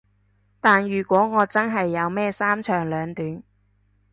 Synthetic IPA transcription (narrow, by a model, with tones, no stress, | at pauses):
t̪aː˨njyː˨˩kʷɔː˨˥ŋɔː˨˧t͡sɐ˥nɦɐ˨jːɐ˨˧wmɛː˥saː˥mt͡ʃʰœː˨˩ŋlœː˨˧ŋt̪yː˨˥n